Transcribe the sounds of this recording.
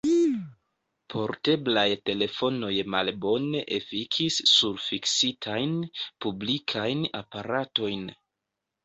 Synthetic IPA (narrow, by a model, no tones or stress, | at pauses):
pʰo̞ɾte̞blajte̞le̞fo̞no̞jmalbo̞ne̞ʔefikʰisːuɾfiksitʰajnpublikʰajna̰paɾato̞jn